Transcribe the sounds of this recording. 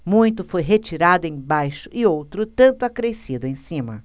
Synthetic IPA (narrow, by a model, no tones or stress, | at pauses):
mũj̃t̪ʊfojɦet͡ʃiɾad̪ʊẽj̃bajʃʊ̥ʔɪowt̪ɾʊt̪ɐ̃nt̪ʊakɾesid̪ʊẽj̃sĩmɐ̰